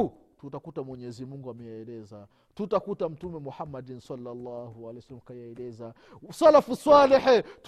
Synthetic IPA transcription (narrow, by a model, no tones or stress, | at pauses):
tutakutamwɛɲɛzimuŋɡuamɛjaɛlɛza | tutakutam̩tumɛmuħamːadinsalːalːahualɛjsalmkajaɛlɛza | salafusaliħt